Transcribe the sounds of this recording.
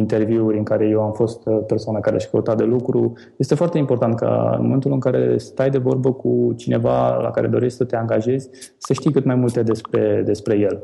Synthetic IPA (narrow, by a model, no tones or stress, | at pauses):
int̪e̞rviuɾʲɨŋkaɾe̞je̞wamfo̞st̪pe̞rsoanakaɾeaʃkəwut̪at̪̚d̪e̞lukɾu | jest̪efoart̪e̞impo̞rt̪ant̪̚ka̰ɨ̰nmome̞nt̪ulɨŋkaɾe̞̰st̪ajd̪e̞vo̞rbəkut͡ʃine̞vala̰kaɾe̞d̪o̞ɾet͡ʃʲsət̪e̞aŋɡaʒe̞zʲ | səʃt̪ijkɨt̪majmult̪e̞d̪e̞spɾe̞d̪e̞spɾe̞je̞l